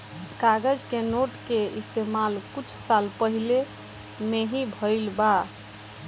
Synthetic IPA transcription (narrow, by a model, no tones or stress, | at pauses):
kaɡəd͡ʒkenoʈkeist̪emalkut͡ʃʰsalpəɦile | meɦibʱəɪlba